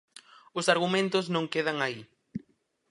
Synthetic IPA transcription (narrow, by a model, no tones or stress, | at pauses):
ʊsaɾɣ̞umẽnt̪ʊznõŋkeðaŋai